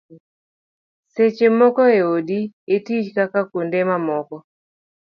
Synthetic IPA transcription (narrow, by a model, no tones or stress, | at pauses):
set͡ʃemɔkɔeodietit͡ʃkakakondemamɔkɔ